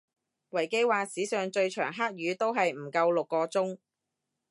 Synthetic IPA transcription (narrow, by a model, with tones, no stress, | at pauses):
wɐ˨˩jke˥jwaː˨˧siː˨˥sœː˨ŋt͡ʃɵ˧ɥt͡ʃʰœ̰ː˨˩ŋɦaː˥k̚jyː˨˧t̪o˥wɦɐ˨jm̩˨˩kɐ˧wlʊ˨kːɔː˧t͡sʊ˥ŋ